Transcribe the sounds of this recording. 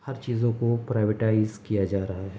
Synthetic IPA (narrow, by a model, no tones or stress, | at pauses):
hɐɾt͡ʃiːzõkopɾaːɪʋeʈaːɪzkijad͡ʒaːɾɐɦaɦɛː